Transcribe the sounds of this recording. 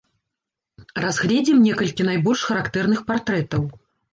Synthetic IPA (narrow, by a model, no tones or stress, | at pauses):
razɣlʲɛd͡zʲimnʲɛkɐlʲkʲin̪ajbɔlʲʂxɐɾakt̪ɛrn̪ɨxpart̪ɾɛt̪ɐw